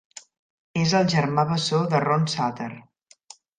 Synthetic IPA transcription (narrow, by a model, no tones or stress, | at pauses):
ezəlˠʒəɾmaβəsoðəronsat̪əɾ